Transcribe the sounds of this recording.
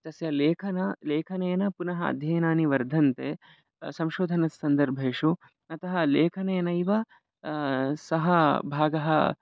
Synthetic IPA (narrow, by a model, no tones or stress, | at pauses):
t̪ɐsjɐleːkʰɐnɐleːkʰɐneːjɐnɐpunɐɦɐɐ̰d̪ʱjɐːjɐnaːniʋɐɾd̪ʱɐnt̪eː | sɐmʃoːd̪ʱɐnɐsːɐnd̪ɐɾbʱeːʃu | ɐt̪ɐɦɐ̆leːkʰɐneːjɐnɐiʋɐ | sɐɦɐbʱaːɡɐɦɐ